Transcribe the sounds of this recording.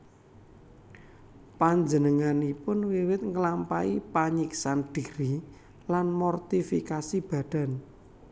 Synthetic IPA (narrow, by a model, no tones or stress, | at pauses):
paɲd͡ʒənəŋanipʊnwiwɪt̪̚ŋəlampaḭpaɲiksand̥iɾi | lanmɔrt̪ifikasib̥ä̤d̥a̤n